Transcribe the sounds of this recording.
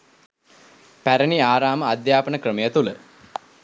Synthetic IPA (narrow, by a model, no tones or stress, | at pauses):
pæɾəniaːɾaːməad̪jaːpənəkrəmejət̪ulə